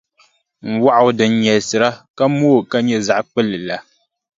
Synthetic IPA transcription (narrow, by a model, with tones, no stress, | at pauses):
ŋ̩˨wa˦ʔwdə˨ɲɛ˨sɨ˨ɾa˦ka˦mo˦˨ka˦ɲɛ˦za˨ʔk͡pə˦˨lɨ˨la˨